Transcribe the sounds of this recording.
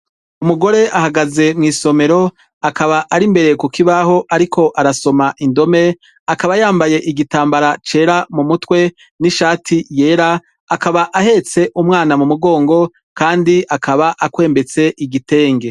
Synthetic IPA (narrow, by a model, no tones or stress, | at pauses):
umuɡo̞ɾe̞ʔahaɡaze̞mŋiːso̞me̞ɾo̞ | akaβaʔaɾimbe̞ɾekukiβaɦo̞ʔaɾikʰo̞ʔaɾaso̞maʔindo̞me̞ | akaβajaːmbaje̞ʔiɡitaːmbaɾat͡ʃe̞ːɾamumutwe̞ | niʃaːtʰije̞ːɾaː | kaβaʔahe̞t͡se̞ʔumŋaːnamumuɡo̞ːŋɡo̞ | kaːndiakʰaβaʔakwe̞ːmbe̞t͡se̞ʔiɡite̞ːŋɡe̞